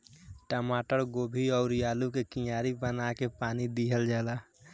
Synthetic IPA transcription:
ʈəmaːʈəɾɡoːbʱiɔːʊɾjaːlukekĩjaːɾibənakepaːnid̪iɦəld͡ʒaːla

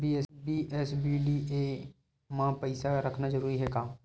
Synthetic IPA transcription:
biːɛsbiɛsbiːlie | mãpəɪsaɾəkʰnad͡ʒəɾuːɾiɦɛːkaː

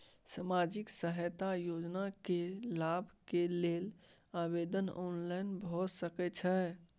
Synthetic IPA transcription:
samad͡ʒiksəɦət̪ajod͡ʒnakelabʱkelel | abed̪ənɔnlainbʱɔsəkɛt͡ʃʰɛ

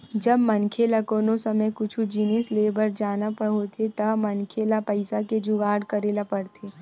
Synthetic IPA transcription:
d͡ʒɐbmɐnkʰeːlakoːnosɐməjkʊt͡ʃʰud͡ʒinisleːbəɾd͡ʒaːnapəɦot̪ʰet̪ɐmɐnkʰeːlapɐɪsaked͡ʒuɡaːɽkɐɾeːlapɐɽt̪ʰeː

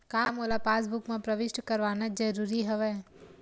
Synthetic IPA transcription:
kaːmoːlapaːs̬bʊkmẽpɾɐʋɪʃʈkɐɾʋaːnad͡ʒɐɾuːɾiɦɛʋɛː

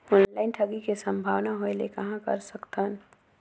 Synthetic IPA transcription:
oːnlaɪnʈʰəɡikesə̃mbʱaːʋnaɦoelekɐɦãkə̰ɾsəkt̪ən

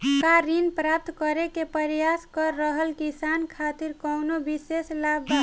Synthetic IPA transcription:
kaɾinpɾap̚t̪kəɾekepəɾjaskəɾːəɦəlkisankʰat̪iɾkɔwnobiseslabba

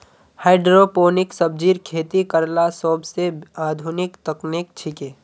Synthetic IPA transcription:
haɪɖɾopoːnɪksəb̚d͡ʒiːɾkʰeːt̪ikəɾlasɔːbseaːd̪ʱʊnɪkt̪əknɪkt͡ʃʰɪkeː

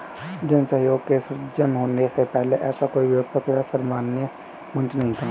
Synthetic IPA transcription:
d͡ʒənsəɦjoːɡkeːsd͡ʒənɦoːnesepɛɦleʔɛːsakoːiʋjapəkjasəɾmaːnjə | mə̃nt͡ʃnəɦĩt̪ʰa

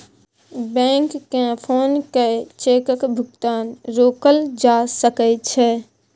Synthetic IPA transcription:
bɛ̃ːŋkːẽpʰoːnket͡ʃeːkəkbʱʊɡt̪aːnɾoːkəld͡ʒaːsəkət͡ʃʰɛ

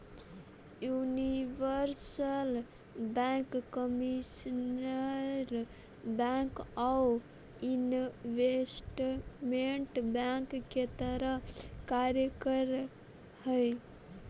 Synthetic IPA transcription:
juniʋəɾsəl | bɛ̃ŋkːəmisnəɾ | baŋkaw | inʋesʈmeɳʈbaŋkːet̪əɾəɦkaɾjəkəɾ | həj

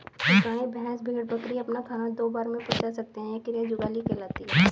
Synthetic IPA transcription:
ʊkãːẽbʱɛɦɛ̃sbʱeːɽbɐkɾiɐpnakʰaːnad̪oːbaːɾmẽʊpət͡ʃaːsɐk̚t̪eɦɛ̃ekɪɾed͡ʒʊɡaːlikelaːt̪iɦɛː

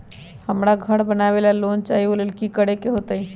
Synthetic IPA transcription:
həmɾaɡʱəɽbənaʋelalont͡ʃaɦiolelkikəɽekeɦot̪əi

